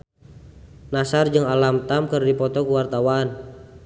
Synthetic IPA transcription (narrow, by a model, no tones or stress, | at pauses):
nasard͡ʒɨŋalamt̪amkɨrdipɔt̪ɔkəwart̪awaːn